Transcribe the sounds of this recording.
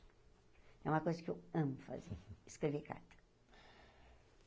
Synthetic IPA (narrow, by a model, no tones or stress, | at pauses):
ɛũmɐkojzɐkɪewɐ̃mʊfa̰zeɾɪskɾeveka̰ɾt̪ɐ̥